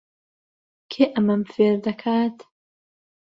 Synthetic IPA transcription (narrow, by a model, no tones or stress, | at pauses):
kʰeːʔɐmɐmfeːɾd̪ɐkʰaːt̪